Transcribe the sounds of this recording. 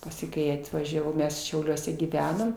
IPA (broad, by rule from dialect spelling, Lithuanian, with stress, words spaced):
ˈpɑːsʲɪ ˈkɐɪ ɐtʋɐʒʲɛˈʋɐʊ ˈmʲɛs ʃʲɛʊˈlʲuɔsʲɛ ɡʲiːˈʋʲæːnoːm